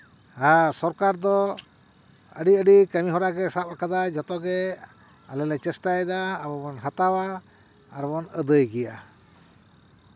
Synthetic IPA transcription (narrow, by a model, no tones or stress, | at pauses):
asɔɾkaɾd̪ɔ | ə̰ɖiəɖikəmiɦɔɾaɡɛsapakad̪ad͡ʒɔt̪ɔɡɛ | alɛlɛt͡ʃɛsʈajd̪aːbɔbɔnɦat̪awaː | ɾbɔnəd̪əjɡɛja